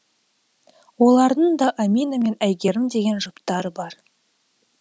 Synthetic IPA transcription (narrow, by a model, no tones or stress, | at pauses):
wo̞lˠɑɾd̪əɴd̪ɑʔamʲijname̞næjɡʲe̞ɾɪmd̪e̞ɡʲe̞nʒʊpt̪ɑɾəbɑɾ